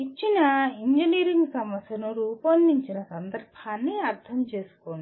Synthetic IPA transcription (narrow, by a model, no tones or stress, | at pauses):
it͡ʃːinɐiɲd͡ʒiniːɾiŋɡsɐmɐsjɐnuɾuːpɐnd̪iɲt͡ʃinɐsɐnd̪ɐɾpʰaːnːiɐɾt̪ʰɐmt͡ʃeːsu̥koːni